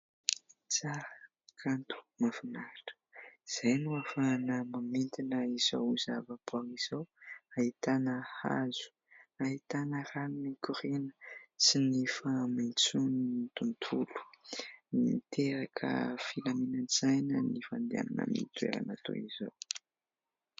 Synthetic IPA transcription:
t͡saɾə | kʰant̪u̥mafinaɾaʈ͡ʂə̥z̥ajnuafanəmamint̪inəiz̥owuzavapuaŋiz̥owahit̪anəha̰zu̥ | aɦit̪anəranunikuɾinə̥sinifamint͡suniit̪unt̪ʰulu̥nit̪ʰeɾakʰə̰filaminanz̥ajnənifand̪ia̰nana̰mḭt̪uḛɾa̰nat̪o̰izow

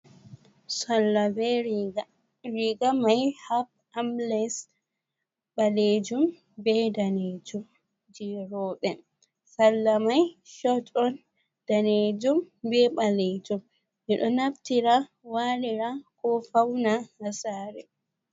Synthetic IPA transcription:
salːabɛɾa | ɾiɡamajhap̚ | ʔamlɛs | ɓaled͡ʒum | bɛdaned͡ʒum | d͡ʒiɾɔɓɛ | salːamajʃɔtʼɔn | d̥aned͡ʒumbɛɓaled͡ʒum | ʔɛɗɔnaftiɾa | waliɾakɔfawnahasaːɾɛ

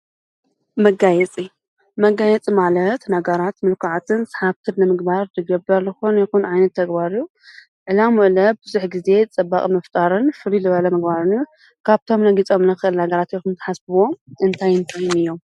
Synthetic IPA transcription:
mɐɡajɛt͡sʼi | mɐɡajɛt͡sʼimalɐt̪nɐɡɐɾat̪mɨlkʰaʕat̪ʰɨnsḁħaβt̪ʰɨdnɨmɨɡbaɾd̪ɨɡɐbɐɾzɨxonjɛxunʕajnɐt̪ʰːɐɡbaɾɨju | ʕɨlamuʔlɐbɨzuħɡize̞t͡sʼɐbːakʼimɐft̪ʼaɾɨnfɨlilɨβɐlɐmɨɡbaɾɨnju | kʰaβt̪ʰo̞mnɐɡit͡sʼo̞mnɨxɨʔɨlhaɡɐɾat̪jɛxunt̪ʰɐ̥ħasbɨwo̞mʔɨnt̪ʰajɨnt̪ʰajɪnɨjːo̞m

